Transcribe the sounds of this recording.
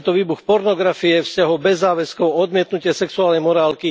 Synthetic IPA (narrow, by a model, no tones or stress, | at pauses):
t̪ɔʋiːbuxpɔɾnɔɡɾafiɛfscaɦɔbɛzːaːʋɛskɔʊɔd̪mɪɛt̪nucɪɛsɛksuaːlnɛjmɔɾaːlki